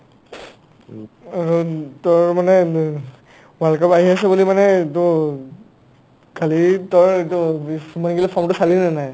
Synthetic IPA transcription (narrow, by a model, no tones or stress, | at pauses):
aɹutɔɹmanɛ | walkapaɦias̬ɛbulimanɛtɔ | kalitɔɹetumaniɡilɛpʰɔmtʊsalinanaj